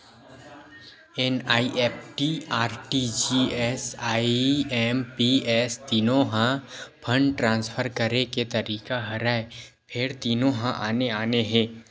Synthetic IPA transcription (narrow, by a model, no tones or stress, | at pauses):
ɛnaːiʔeːpʰʈiaːɾʈid͡ʒiɛːsaːɛːmpiɛːst̪iːnõɦãpʰə̃ɳɖʈɾãːnspʰəɾkəɾeket̪ɐɾiːkaɦɐɾaːe | pʰɪɾt̪iːnõɦãʔaːneaːneɦɛ̃ː